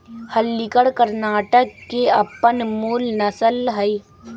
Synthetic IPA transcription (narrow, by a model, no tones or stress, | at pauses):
həlːɪkəɽkəɾnaːʈəkːeɐpːənmuːlnɐsəlɦəi